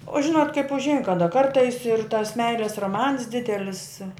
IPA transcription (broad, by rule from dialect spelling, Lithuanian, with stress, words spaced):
oː ˈʒʲɪnoːt kɐɪp ʊʒʲˈɛɪn kɐˈdɐ ˈkɐrtɐɪs ɪr tɐs ˈmʲɛɪlʲeːs roːˈmɐns ˈdʲɪdʲɛlʲɪs